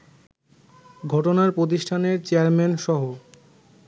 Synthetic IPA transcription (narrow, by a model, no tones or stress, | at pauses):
ɡʱɔʈonaɾpɾot̪̬iʃʈʰaneɾt͡ɕeaɾmenʃɔɦo